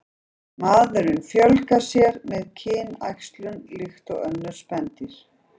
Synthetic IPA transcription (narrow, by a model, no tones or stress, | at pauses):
maːðʏɾʏmfjœlkasjɛɾmɛðcʰɪːna̰jkst̪lʏnlɪxt̪ɔɣœnːʏɾ̥spɛnt̪ɪɾ̥